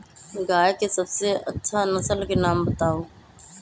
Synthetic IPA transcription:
ɡaːjkesɐbseʔɐtːʃʰanɐsəlkenaːmbət̪aːoː

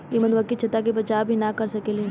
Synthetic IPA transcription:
jimɐnd̪ʋɐkit͡ʃʰɐt̪ak̬ebɐt͡ʃaːbʱinakɐɾsɐkeːle

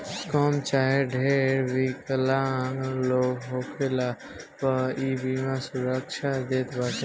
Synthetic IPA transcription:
kɔːmt͡ʃaːɦeɖʱeɾbikəlaŋloɡɦokʰela | pəibimãsuɾəkʃʰad̪eːt̪bat͡ʃe

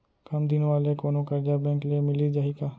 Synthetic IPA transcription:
kɐmd̪ɪnʋaːlekoːnõkəɾd͡ʒaːbɛ̃ːŋklemɪlid͡ʒaːɦikaː

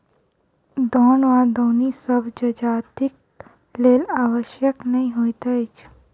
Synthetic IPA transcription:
d̪ɔːnʋãd̪oːnisəbd͡ʒɐd͡ʒaːt̪ɪk̚ | leːlaːwəʃjəknɐɦĩɦoːit̪ait͡ʃ

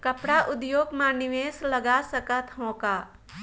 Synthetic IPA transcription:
kəpɽaʔʊd̪joːɡmãnɪʋeːsləɡasəkət̪ɦõkaː

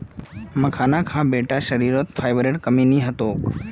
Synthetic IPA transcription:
məkʰaːnãkʰãːbeːʈaʃəɾiːɾət̪fʰaːɪʋɾeːʈkəmĩːnĩːɦət̪oːk

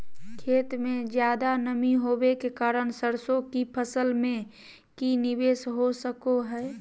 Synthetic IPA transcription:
kʰeːt̪mẽd͡ʒjaːd̪anəmiɦobekekaːɾənsəɾsokipʰəsəlmẽ | kinibeːsɦosəkoɦɛː

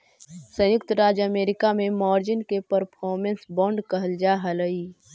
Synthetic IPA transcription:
sə̃jʊkt̪əɾaːd͡ʒəmeːɾɪkamẽmɔːɾd͡ʒɪnkepəɾpʰɔːɾmẽnsbɔ̃ːɳɖkəɦəld͡ʒaɦələi

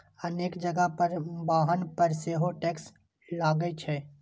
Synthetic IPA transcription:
əneːkd͡ʒəɡəpəɾbaːɦənpəɾseːɦoʈeːks | laːɡəet͡ʃʰɛː

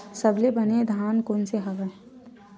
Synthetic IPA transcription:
sɐblebɐned̪ʱaːnkoːnseɦɐʋəe

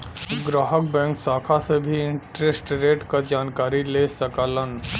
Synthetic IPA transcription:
ɡɾaːɦək̚bɛ̃ːŋksaːkʰasebʱiɪ̃ɳʈɾesʈɾeːʈkad͡ʒaːnkaːɾileːsəkaːlən

